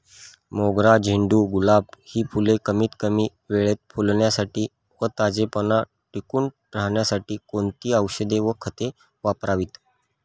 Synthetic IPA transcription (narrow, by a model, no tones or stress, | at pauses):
moɡɾad͡ʑʱiɳɖuːɡulabhiːfʰulekəmiːt̪kəmiː | ʋeɭet̪̚fulɳjasaʈiː | ʋət̪ad͡zepəna | ʈikuːɳ | ɾaɳjasaʈiːkont̪iːəwɕəd̪eʋəkʰət̪e | ʋapɾaʋiːt̪